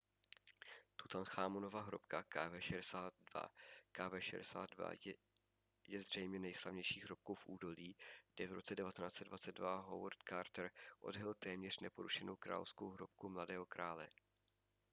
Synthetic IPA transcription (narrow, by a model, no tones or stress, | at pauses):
t̪ut̪anxaːmono̞vaɦɾopkakavɛːʃɛɛsaːt̪̚dva̰kaːvɛːʃɛ̰dɛsa̰ːd̪va̰ | jɛzr̝̥ɛjmɲɛnɛjslavɲɛjʃiːɦɾo̞p̚kowfʔuːdo̞liːɡ̥dɛvɾo̞t͡sɛdɛvat̪ɛnaːt͡sɛdvat͡sɛd̪̚dvaɦo̰wɾt̪kaːɾt̪ɾʔo̞̰dɦɛlt̪ɛːmɲɛr̝nɛpo̞ɾuʃɛno̞wkɾa̰ːlofsko̞wɦɾop̚kumladɛːɦo̞kɾaːlɛ̰